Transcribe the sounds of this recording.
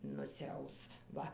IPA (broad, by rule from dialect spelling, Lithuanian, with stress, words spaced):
nʊsʲɪˈɐʊs ˈʋɐ